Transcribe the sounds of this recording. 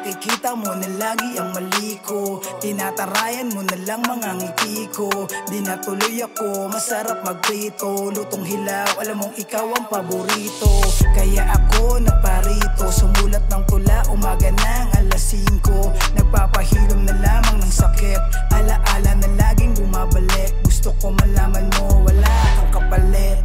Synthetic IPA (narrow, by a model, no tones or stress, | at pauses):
ɐkikiːt̪ɐmonɐlaːɡɪʔɐŋmɐliːko | t̪ɪnat̪ɐɾaːjɐnmonɐlɐŋmɐŋaŋɪt̪iːkod̪ɪnat̪ʊlojɐko̞mɐsɐɾap̚mɐɡ̚ɾiːt̪onʊt̪oŋɦɪlawʔɐlamoŋɪkawɐŋpɐbʊɾiːt̪o̞kɐjaʔɐko̞nɐɡ̚paɾiːt̪o̞sʊmuːlɐt̪̚nɐŋt̪ʊlaʔʊmaːɡɐnɐŋʔɐlɐsiŋko̞ | nɐɡ̚paːpɐhiːɾʊmnɐlaːmɐŋnɐŋsɐkɛt̪̚ | ʔɐlɐʔaːlɐnɐlaːɡɪŋbʊmaːbɐlɛk̚ɡʊst̪okomɐlaːmɐnmo̞wɐlaʔnɐŋkɐpɐlɛt̪̚